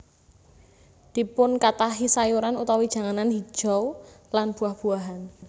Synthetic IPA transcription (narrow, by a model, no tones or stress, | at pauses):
d̪̥i̤pʊnkat̪aɦisajuɾanut̪awid̥ʒ̥a̤ŋananɦi̥ʒ̥ɔwlanb̥ṳahb̥ṳaɦan